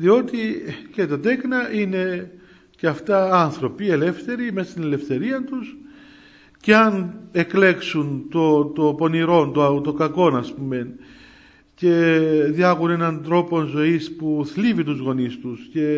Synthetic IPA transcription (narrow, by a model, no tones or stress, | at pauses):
ðio̞t̪ice̞t̪ɐt̪e̞knɐʔine̞ | ceɐft̪ɐɐnθɾo̞pie̞le̞fθe̞ɾimesɐ̥st̪ine̞lefθe̞ɾiɐnt̪us | ceɐne̞kle̞ksunt̪o̞t̪opo̞niɾo̞nt̪ot̪o̞kɐko̞nɐspume̞n | ce̞ðiɐɣune̞nɐnt̪ɾo̞po̞nzo̞ispuθlivit̪uzɣo̞nist̪usce̞